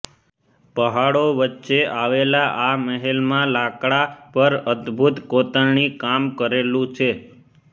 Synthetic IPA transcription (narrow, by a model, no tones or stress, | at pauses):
pəɦaɽoʋətːʃeʔaʋelaʔaməɦelmãlakɽapəɾəd̪bʱut̪kot̪əɳɳikamkəɾelũt͡ʃʰe